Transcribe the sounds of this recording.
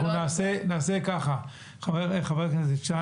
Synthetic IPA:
unaːsenaːsekaχa | χaveχaveʁkzet͡ʃa

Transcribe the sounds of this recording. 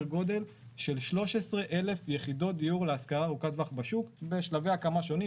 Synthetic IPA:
ʁɡo̞d̪e̞l | ʃe̞lʃlo̞ʃesʁe̞ʔe̞le̞fjeχido̞t̚d̪ijuʁleaskaʁaʁukat̪vaχbaʃukbe̞ʃlave̞akamaʃo̞ni

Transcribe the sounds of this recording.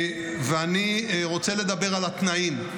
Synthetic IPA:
veaniʁo̞t͡se̞le̞d̪abe̞ʁalat̪naim

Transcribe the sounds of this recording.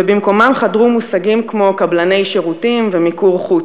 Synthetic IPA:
ebimko̞mamχadʁumusaɡimkmo̞kablane̞jʃeʁutimvemikuʁχu

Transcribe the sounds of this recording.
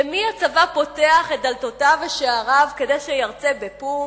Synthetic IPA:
miat͡savapo̞teaχet̚d̪altotaveʃeaʁavke̞dejʃejaʁt͡sebepu

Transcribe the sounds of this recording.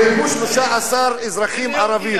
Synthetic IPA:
emuʃloʃaʔasaɾezɾaχimaɾavi

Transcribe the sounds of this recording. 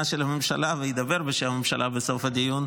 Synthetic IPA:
aʃelamemʃa̰lavejid̪abeɾbeʃeamemʃalʔa̰besofad̪ijun

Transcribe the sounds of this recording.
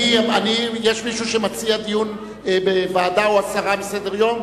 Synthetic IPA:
ianijeʃmiʃuʃemat͡siad̪ijun | bevaːd̪aoasaʁabesed̪eʁjo̞m

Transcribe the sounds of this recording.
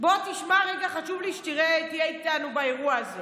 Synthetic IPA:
bo̞t̪iʃmaʁeɡaχaʃuvliʃt̪iʁet̪ijeit̪anubae̞ʁuaaze

